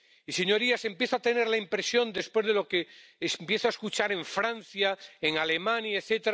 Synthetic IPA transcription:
ise̞ɲo̞ɾiase̞mpje̞θoat̪e̞ne̞ɾlaimpɾe̞sjo̞nd̪e̞spwe̞zðelo̞keːsmpje̞θoaeskut͡ʃaɾe̞ɱfɾãn̟θjaeŋale̞mãnjaeθet̪eɾ

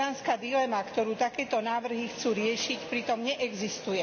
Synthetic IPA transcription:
aːnskad̪ilɛmakt̪ɔɾuːt̪akɛːt̪ɔnaːʋr̩ɦixt͡suːɾɪɛʃicpɾit̪ɔmɲɛʔɛɡzist̪ujɛ

